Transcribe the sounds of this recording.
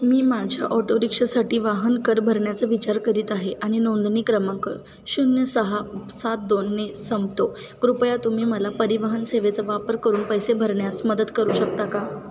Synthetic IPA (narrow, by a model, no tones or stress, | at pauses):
miːmad͡ʑʱja̰ʔɔʈoɾikʂəsaʈiːʋaɦənkəɾbʱəɾɳjat͡səʋit͡ɕaɾkəɾiːt̪aɦeʔaɽ̃inond̪niːkɾəmãkəɾ | ɕunjəsəɦasat̪̚d̪onːesəmbt̪o | ɡɾupjat̪um̤iːməlapəɾiʋəɦənseʋet͡səʋapəɾkəɾuːnpəjsebʱəɾɳjasməd̪əd̪kəɾuːɕəkt̪aka